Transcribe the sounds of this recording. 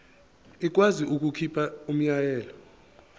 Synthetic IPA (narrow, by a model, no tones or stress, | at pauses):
ik̬waziuk̬ukʰipʰaum̩ɲajɛːlɔ